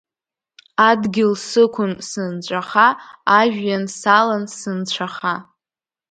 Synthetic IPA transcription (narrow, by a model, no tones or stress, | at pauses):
adɡʲɪlsɨkʷʰʊnsɨnt͡ɕʷʼaχaːʒᶣjansalansɨnt͡ɕʷʰaχa